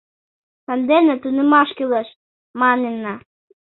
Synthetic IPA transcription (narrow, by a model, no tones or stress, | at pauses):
sɑnd̪enĕt̪unĕmɑʃkyleʃ | mɑnenːɑ